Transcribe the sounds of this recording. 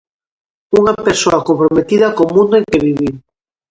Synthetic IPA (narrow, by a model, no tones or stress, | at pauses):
uŋapeɾsoakompɾomet̪iðɐkomũnd̪oeŋkeβiβi